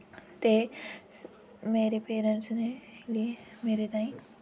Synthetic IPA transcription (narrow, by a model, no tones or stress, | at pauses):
t̪e | meːɾepeːɾə̃nʈsneliemeːɾet̪aːĩ